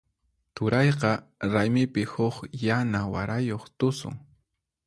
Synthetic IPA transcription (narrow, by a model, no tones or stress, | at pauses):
t͡ʃʊɾɑjqɑɾajmɪpɪhʊχjanawa̰ɾajoχt̪ʊsʊ̰ŋ